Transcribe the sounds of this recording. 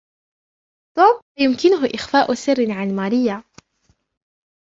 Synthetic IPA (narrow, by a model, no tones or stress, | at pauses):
t̪ˤoːb̚ajʊmkɪnʊɦʊʔɪxfaːʔʊsɪrːɪnʕalmaːɾɪjːa